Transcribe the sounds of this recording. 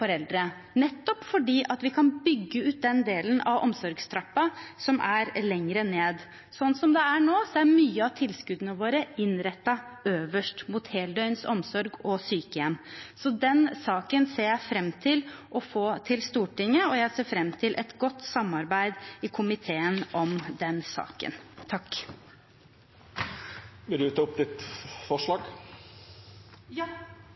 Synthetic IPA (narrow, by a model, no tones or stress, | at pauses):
fɔɾɛld̪ɾə | nɛt̪ːɔpfɔɖiːʔɑt̪ʋɪkʰɑnbʏɡːəʉːt̪̚d̪ɛnd̪eːlənɑ̰ʋɔ̰msɔɾɡst̪ʰɾɑpːɑsɔmʔæɾlɛŋɾəneːd̪ | sɔnːsɔmd̪ɛæɳoːsɔæɾmyːəɑʋt̪ʰɪlskʉd̪ənəʋoːɾəɪnɾɛt̪ːɑøːʋəʂʈmuːt̪heːld̪œʏnsɔ̰msɔɾɡɔsyːkəjɛmsɔd̪ɛnsɑːkənseːɾjæɪfɾɛmːt̪ʰɪlʔɔfoːt̪ʰɪlst̪uːʈɪŋːəɔjæɪseːfɾɛmːt̪ʰɪlʔɛ̰t̪ɡɔt̪ːsɑmɑɾbæɪd̪ɪkʰʊmɪt̪ʰeːənʔɔmd̪ɛnsɑ̰ːkə̰nt̪ʰɑkː | ʋɪlʉːt̪ɑʊpd̪ɪt̪fɔʂɭɑːɡ